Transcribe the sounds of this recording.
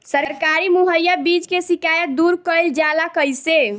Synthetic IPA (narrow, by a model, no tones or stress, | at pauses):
səɾɾkaɾimuɦəjːabid͡ʒkesikajət̪̚d̪uɾkəjld͡ʒalakəjse